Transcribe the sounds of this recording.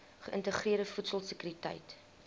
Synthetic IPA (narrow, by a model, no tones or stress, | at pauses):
χəʔə̰ntəχriəɾdəfutsəlˠsəkyɾitɐ̰jt